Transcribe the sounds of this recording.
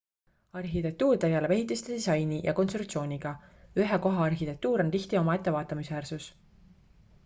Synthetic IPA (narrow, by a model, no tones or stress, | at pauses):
ɑrxit̪e̞k̚t̪uːrt̪e̞ɡ̥e̞le̞peɦit̪ˑːist̪ed̪̥isɑjnijʔɑ̰ko̞nst̪ruk̚t̪sio̞ːnʲiɡ̥ɑyɦeko̞ɦɑɑrxit̪e̞k̚t̪uːɾo̞nt̪içt̪io̞mɑe̞t̪ˑːe̞vɑːt̪ːˑɑmisvæːrsus